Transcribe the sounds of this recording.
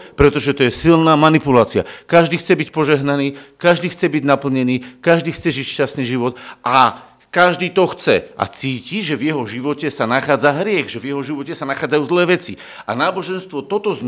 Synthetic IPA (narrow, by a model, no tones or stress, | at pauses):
pɾɛt̪ɔʒɛt̪ɔjɛsilnaːmanipulaːt͡sɪa̰kaʒd̪iːxt͡sɛbicpɔʒɛɦnaniːkaʒd̪iːxt͡sɛbiɟnapl̩ɲɛniːkaʒd̪iːxt͡sɛʒicʃcasniːʒiʋɔt̪a | kaʒd̪iːt̪ɔxt͡sɛʔa̰t͡siːciʒɛvjɛɦɔʒiʋɔcɛsanaxaːd͡zaɦɾɪɛɣʒɛvjɛɦɔʒiʋɔcɛsanaxaːd͡zajuːzlɛːʋɛt͡si | anaːbɔʒɛnst̪ʋɔt̪ɔt̪ɔz